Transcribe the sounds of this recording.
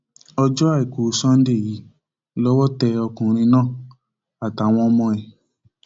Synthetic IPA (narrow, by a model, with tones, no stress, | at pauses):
ɔ˧d͡ʒɔ˦a˦˨i˨ko˨sã˦n̩˦de˦˨ji˨˦ | lɔ˦wɔ˦tɛ˧ɔ˧kũ˨ɾ̃ĩ˧nãː˦˨ | a˨ta˨˦˨w̃ɔ̃˧mɔ̃˧ɛ˨